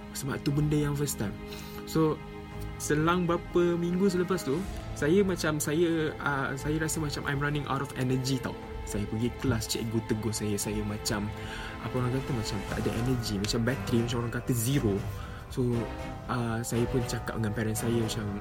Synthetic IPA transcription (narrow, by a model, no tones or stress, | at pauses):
səbaʔt̪ubəndəjãŋfəst̪am | so | səlaŋbɾapəmiŋɡus̬ələpast̪usajəmat͡ʃamsajəəsajəɾasəmat͡ʃamʔã̰jmranɪ̃ŋʔa̰wtɔfɛnəd͡ʒit̪a̰w | sajəpəɡiklast͡ʃɛ̰ʔ̚ɡut̪əɡosajəsajəmãt͡ʃam | ʔapəoɾãŋkat̪əmat͡ʃamt̪a̰ʔdəʔɛ̰nəd͡ʒimat͡ʃambɛt̪ɾimat͡ʃamoɾãŋkat̪əziɾo | so | ʔəsajəpʊnt͡ʃaka̰p̚dəŋãnpɛɾɛnsajəmat͡ʃam